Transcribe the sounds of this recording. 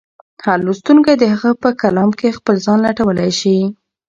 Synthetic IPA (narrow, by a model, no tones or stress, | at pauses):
halust̪uŋkad̪əhaɣəpəkalɑmkexpəlzɑnlaʈawəlajʃi